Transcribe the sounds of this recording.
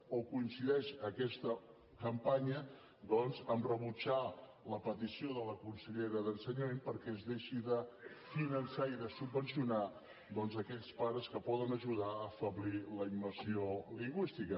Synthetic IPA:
okuinsiðɛʃəkɛst̪ə | kəmpaɲə | d̪ɔnzəmrəβut͡ʃaləpət̪isioðələkunsəʎeɾəðənsəɲəmempəɾkɛzðeʃiðəfinənsaiðəsubːənsiuna | d̪ɔnzəkɛʎspaɾəskəpɔðənəʒuðaəfəβliləimːəɾsioliŋɡwist̪ikə

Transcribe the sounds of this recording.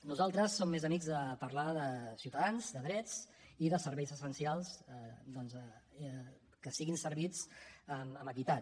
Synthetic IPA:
nuzalˠt̪ɾəsːomːezəmiɡzðəpəɾlaðəsiuwt̪əðanzd̪əðɾɛt͡siðəsəɾβɛjzəsənsialˠzd̪ɔnz | kəsiɣinsəɾβit͡səməməkit̪at̪

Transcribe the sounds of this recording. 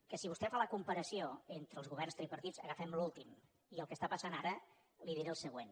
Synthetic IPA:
kəsiβust̪ɛfaləkumpəɾəsioent̪ɾəlˠzɣuβɛrnst̪ɾepəɾt̪izə̰ɣəfɛmlulˠt̪im | iəlˠkəst̪apəsanaɾə | liðiɾeəlˠsəɣ̞wen

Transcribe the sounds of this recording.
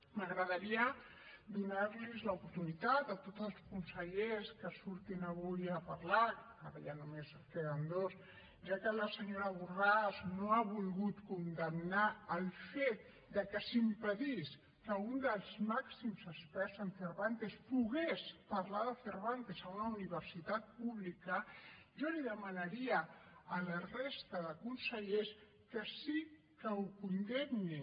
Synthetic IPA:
məɣɾəðəɾiə | d̪unaɾlizləupuɾt̪unit̪at̪̚d̪ət̪ot̪zəlˠskunsəʎeskəsuɾt̪inəβujəpɐɾla | aɾəʎanumes | keðənd̪os | ʒakələsəɲoɾəβuraznoaβulɣut̪kund̪əmnaəlˠfet̪̚ | d̪əkəsimpəðis | kəund̪əlˠzmaksimzəspɛɾzəɱfəɾβant̪espuɣespɐɾlaðəfəɾβant̪ezaunauniβ̞əɾsit̪at̪̚puβlikə | ʒoliðəmənəɾiəːlərest̪əðəkunsəʎes | kəsi | kəukund̪emni

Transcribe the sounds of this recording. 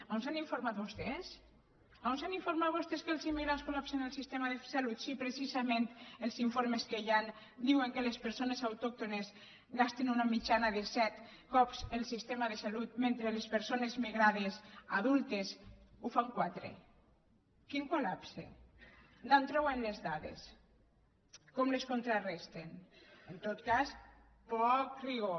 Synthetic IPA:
aonsaniɱfoɾmat̪̚bost̪es | aonsaniɱfoɾmat̪βost̪eskelsimːiɣɾanskolapsenelˠsist̪emaðesalut̪sipɾesizamẽnt̪elˠziɱfoɾmeskejan | d̪iweŋkelespeɾsonesawt̪ɔk̚t̪ones | ɣast̪enunamit͡ʃanaðesɛt̪kɔpselˠsist̪emaðesalut̪̚mẽnt̪ɾelespeɾsonezmiɣɾað̞esaðulˠt̪esufaŋkwat̪ɾḛ | kiŋkolapsḛ | nant̪ɾɔwenlezðaðḛs | kɔmleskont̪ɾarɛst̪enent̪ot̪kas | pɔkriɣo

